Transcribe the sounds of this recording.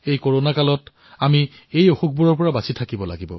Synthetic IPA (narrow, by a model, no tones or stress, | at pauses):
ejkoɹonakalɔt | ami | ejoxuk̚buɹɔɹpɔɹabasitʰakibɔla̰ɡibɔ̰